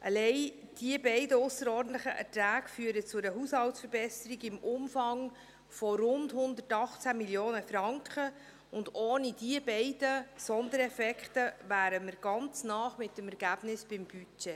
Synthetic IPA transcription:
ʔɑlɛɪ | d̥iəbɛɪdəʊsəɾɔːrdn̩tləχəʔɛ̰tɾæːɡ̥fyːəɾət͡sʊɾəɦushɑltsfəɾbɛsəɾiɡɪmʔʊmfɑŋ | fɔɾʊndhʊnd̪ətɑχt͡sæmiljoːnəfɾɑŋkχə | ʊndoːnid̥iəbɛɪd̥əsɔnd̪əɾɛfɛkχtəvæːɾəməɾɡ̥ɑnt͡snɑːχmɪtdəmɛɾɡ̥æb̥nɪsb̥ɪmb̥yt͡ʃe

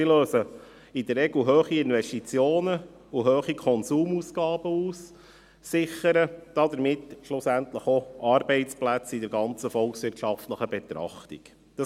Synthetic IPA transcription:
iløːsə | ɪd̪əɾɛɡl̩ɦøːχiɪnʋɛʃtit͡sjoːnə | uɦøːχikʰɔnsuːmusɡ̥ɑːb̥əuːsː | ɪχəɾəd̥ɑd̪əɾmɪtːʃlʊsænt̪ləχoʔɑɾbɛɪsplæt͡sidɛɾɡɑnt͡səfɔlˠksʋɪɾtʃɑft̪ləχəbɛt̪ɾɑ̰χtḭk | d̥ɑ

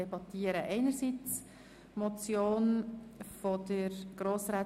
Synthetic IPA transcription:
ɛbɑt̪iːəɾəʔɛɪnəɾsit͡s | mɔt͡sjoːnfɔd̪̥əɾɡ̥ɾoːsɾaː

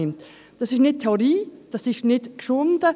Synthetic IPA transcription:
ɪmt̪ | d̥ɑsɪʃnɪt̚tʰːɛoɾiːd̥ɑsɪʃnɪtkʃʊndə

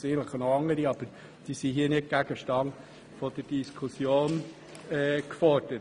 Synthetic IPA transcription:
sɪənləχnɔɑŋːəɾiɑb̥əɾ | d̥iːsiɦiːnɪt̚ɡ̥æɡəʃtɑn | fɔd̥əɾd̥iskʰusjoːn | ɛkfɔɾd̥ə

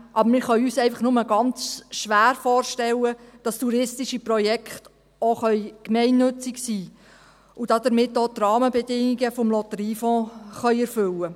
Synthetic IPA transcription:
ʔɑbəɾmɪɾχœʏɥyːsɛɪfɑχnʊməɡɑnt͡sʃʋæːɾfɔːrʃtɛlːəd̥ɑstuɾɪstɪʃiprɔjɛkχt | oχœʏkmɛɪnːɵt͡sɪksiː | ud̥ɑdəɾmɪtːoːt̪rɑːməbɛdɪŋiɡəfɔmlɔtəɾiːfɔ̃ːχœʏɛɾfɵlːə

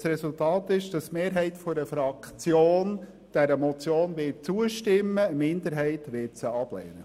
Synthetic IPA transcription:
sɾɛsʊltɑːt̪ɪʃd̥ɑsmeːɾɦɛɪtfɔɾəfɾɑkχt͡sjoːn | d̥ɛɾəmɔt͡sjoːnʋɪtt͡suəʃtɪmːəmɪnd̪əɾɦɛɪtʋɪtsəɑb̥lɛ̰ːnə

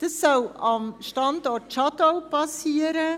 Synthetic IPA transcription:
d̥ɑsːɔlɑmʃtɑndɔtʃɑdoʊpɑsiːəɾə

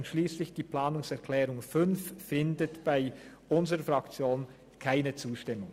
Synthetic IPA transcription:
ntʃliːslɪçd̥iːpl̥aːnʊŋsɛɐkʰl̥ɛːʁʊŋfʏnfːɪndətb̥aɪʔʊnzəʁəfʁɑkt͡sjoːn | kʰaɪnət͡suːʃtɪmʊŋ

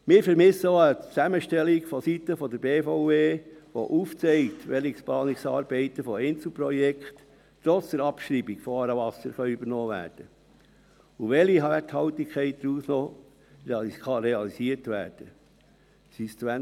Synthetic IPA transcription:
mɪːɾfəɾmɪsəoət͡sæməʃtɛlikfɔsit̪əfɔd̪əɾbeːfɔʊveːʋo̰ʔuːft͡sɛɪt̪ʋɛliksplɑːniksɑːɾb̥ɛɪt̪əfɔɛɪnt͡sl̩ˠpɾɔjɛkχt | tɾɔt͡sd̥əɾɑpʃɾiːbikfɔɑɾəʋɑsəɾχœʏyb̥əɾnɔːʋæ̰ːɾd̥ə | uʋɛliɦɑʋæthɑwt̪ikʰχɛɪt̚d̥̪ɾuːsnɔ | χɑɾeɑlisiəɾtʋæ̰ːɾd̥ə | sistwæ

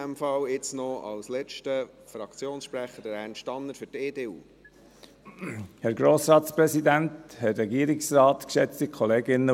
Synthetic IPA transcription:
ɛmfɑwɪt͡snɔɑ̰wslɛt͡ʃtə | fɾɑkt͡sjoːnsʃpɾæχədəɾhænʃtɑnːəɾfʏɾteːdeːuː | hɛɾɡɾoːsɾɑːt̪spɾɛsid̪ænt̪hɛtɾɛɡiːəɾɪksrɑːt̪kʃɛt͡stikʰχɔleːɡɪnːə

